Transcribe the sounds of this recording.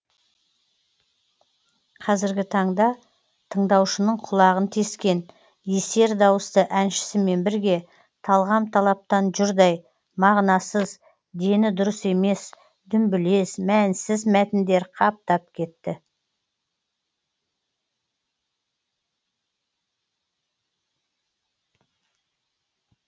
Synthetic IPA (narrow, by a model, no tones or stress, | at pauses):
qʰɑzɪɾɡʲɪt̪ʰɑɴd̪ɑ | t̪ʰəɴd̪ɑwʃənəɴqʰʊlˠɑʁənt̪ʰeskʲe̞n | je̞se̞ɾd̪ɑwəst̪əʔænʃɪ̥sɪme̞nbɪɾɡʲe̞ | t̪ʰɑlˠʁɑmt̪ʰɑlˠɑp̚t̪ɑnʒʊɾd̪ɑj | mɑʁnɑsəz | d̪e̞nɪd̪ʊɾəse̞me̞s | d̪ʏmbɪle̞smænsɪzmæt̪ɪnd̪e̞ɾqʰɑp̚t̪ɑp̚kʲʰe̞t̪ːɪ